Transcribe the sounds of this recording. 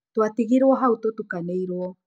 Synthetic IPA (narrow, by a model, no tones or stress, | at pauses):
twatiɣiɾwɔɦautotukaneiɾwɔ